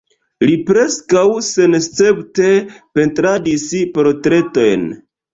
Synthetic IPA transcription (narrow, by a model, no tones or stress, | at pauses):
lipɾe̞skawse̞nst͡se̞pte̞pe̞ntɾadispɾo̞tɾe̞to̞jn